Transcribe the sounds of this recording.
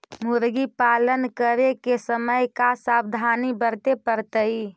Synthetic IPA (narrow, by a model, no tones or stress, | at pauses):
muɾɡipalənkəɾekesəməjkasabd̪ʱanibəɾt̪epəɾt̪əi